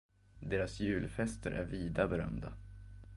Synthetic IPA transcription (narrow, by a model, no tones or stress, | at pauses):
d̪eːɾasjʉ̟ːlfɛst̪ʰəɾʔæ̰ɾviːd̪abɛɾœ̰md̪a